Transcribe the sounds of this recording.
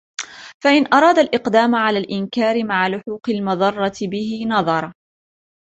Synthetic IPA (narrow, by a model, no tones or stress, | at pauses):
faʔɪnʔɑɾˤɑːd̪alʔɪqd̪aːmʕalaːlʔɪnkaːɾɪmaʕalʊħuːqɪlmʊðˤɑrˤːɑt̪ɪbɪhɪnɑðˤɑɾˤɑ